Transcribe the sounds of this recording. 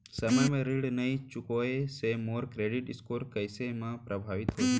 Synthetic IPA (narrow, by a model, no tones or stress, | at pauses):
səməjmẽɾiɽnəĩt͡ʃʊkoesemoːɾkɾeɖiʈɪskoːɾkəjsemãpɾəbʱaːʋit̪ɦoː